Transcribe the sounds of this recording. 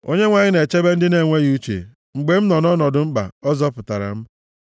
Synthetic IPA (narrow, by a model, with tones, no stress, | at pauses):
o̰˦ɲe˦ŋʷa˨ɲɪ˦ne˨t͡ʃe˦be˦n̩˦dɪ˦ne˨ŋʷe˦ɣu˦t͡ʃḛ˨ | ŋ͡m̩˨ɡ͡be˦m̩˦nɔ˨nɔ˦nɔ˨dʊ˨ŋ͡m̩˦ɡ͡ba̰˨ɔ˦zɔ˦pʊ˨ta˨ɾa̰˨m̩˦